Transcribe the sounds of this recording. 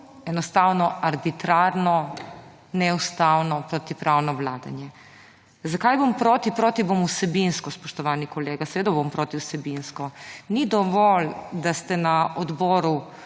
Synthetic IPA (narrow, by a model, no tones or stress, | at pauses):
ɛnɔst̪awnɔaɾbit̪ɾaɾnɔ | nɛust̪aːwnɔpɾɔt̪ipɾawnɔʋlaːd̪a̰njɛ | zakajbompɾoːt̪ipɾoːt̪ibomusɛbinskɔspɔʃt̪ɔʋaːnikɔleːɡasɛʋeːd̪abompɾoːt̪iwsɛbinskɔnid̪ɔʋɔld̪ast̪ɛnaɔd̪bɔːɾu